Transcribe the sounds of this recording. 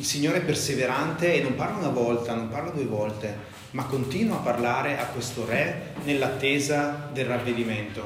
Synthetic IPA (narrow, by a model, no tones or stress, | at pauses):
ilsiɲːoːɾeɛpːerseveɾant̪eːnːomparlaunavɔlt̪anomparlad̪uevɔlt̪e | makːont̪iːnwaːpːarlaːɾeʔakːwest̪orɛnelːat̪ːeːzad̪elravːed̪iment̪o